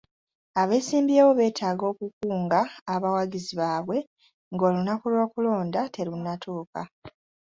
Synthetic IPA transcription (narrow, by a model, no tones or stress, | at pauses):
aβe̞ːsiːmbje̞ːβo̞βe̞ːtʰaːɡo̞ːkukuːŋɡaːβawaɟiziβaːβwe̞ | ŋɡo̞ːlunakulwo̞ːkulo̞ːndatʰe̞ɾunːatʰuːka